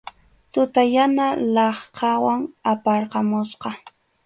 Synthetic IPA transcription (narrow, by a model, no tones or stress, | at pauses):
t̪ʊt̪ajanalɑχqʰɑwaŋapɑɾqɑmʊsqɑ